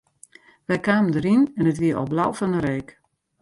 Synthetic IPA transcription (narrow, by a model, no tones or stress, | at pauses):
ʋɛjkaːməndəɾinɛnətʋiəʔɔ̰blawfɔnəɾeːk